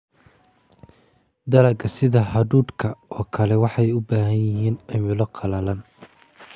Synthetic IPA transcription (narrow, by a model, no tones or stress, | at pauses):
d̪ɐlɐɡɐsɪðɐhɐðuːd̪kʰɐɔːkʰɐlɛwɑħɑjʊbaːɦɐnjɪɦiːnɐmʊlɐqʰɑlɐlɐn